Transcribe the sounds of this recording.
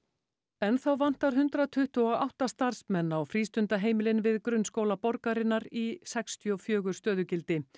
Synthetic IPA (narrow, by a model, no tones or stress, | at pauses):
ɛnθawvan̥t̪aɾ̥ɦʏnt̪ɾat̪ʰʏht̪ʏɔa̰wht̪ast̪aɾ̥smɛnːawfɾiːst̪ʏnt̪aɦeːjmɪlɪnvɪðkɾʏnskoːwlapɔɾkaɾɪnːaɾisɛkst̪ʰjɔfjœːɣʏɾ̥st̪œːðʏcɪlt̪ɪ